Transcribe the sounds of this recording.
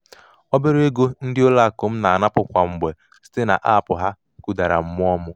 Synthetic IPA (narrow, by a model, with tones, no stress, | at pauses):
ɔ˦be˦ɾe˦ɡo˦n̩˦dɪ˦o˦la˦˨kʊ˨m̩˦na˨a˨na˦pʊ˨kʷa˨ŋ͡m̩˨ɡ͡be˨ | si̥˦te˦na̰˨ʔa̰˦˨pʊ˨ɦa˦ | ku˨da˨ɾa̰˨m̩˦mʊ˦ɔ˦mʊ˦